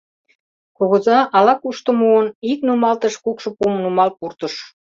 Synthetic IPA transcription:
koɣozɑʔɑlɑkuʃt̪ə̆muəniknumɑlt̪ə̆ʃkukʃɤ̆pumnumɑl̚purt̪ə̆ʃ

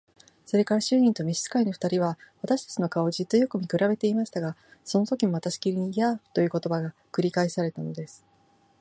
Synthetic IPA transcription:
so̞ɾe̞kaɾaɕɨːɲ̟ĩnt̪o̞mʲiɕi̥t͡sɨ̥kaino̞ɸɯ̥t̪aɾʲiβ̞aβat̪aɕi̥t̪ḁt͡ɕino̞kao̞d͡ʑit͡sɨjo̞kɯ̟mʲikɯ̟ɾabe̞t̪e̞imaɕi̥t̪aɡaso̞no̞t̪o̞kʲimo̞βat̪aɕi̥kʲiɾʲiɲ̟ijḁːt̪o̞jɯ̟ːko̞t̪o̞baɡakɯ̟ɾʲikaisaɾe̞t̪ano̞d̪e̞sɨ̥

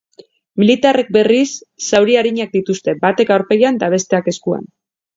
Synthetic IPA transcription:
milit̪are̞k̚be̞risːawɾiaɾiɲak̚d̪it̪ust̪e̞bat̪e̞kawɾpe̞jand̪aβ̞e̞st̪e̞ake̞skua̰n

